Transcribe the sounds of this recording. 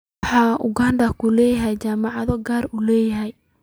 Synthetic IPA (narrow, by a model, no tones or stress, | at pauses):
ħɑːʔʊɡaːndɐkʰʊlɛːjɐɦɛjt͡ʃaːmɑʕɑðɔɡaːrulɛːjɐɦɛj